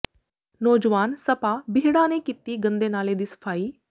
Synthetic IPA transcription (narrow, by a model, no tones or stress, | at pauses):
noːd͡ʒʋaːnsəpaːbɪɦɽãːnẽːkiːt̪iːɡə̃nd̪eːnaːleːd̪iːsə̥pʰaːiː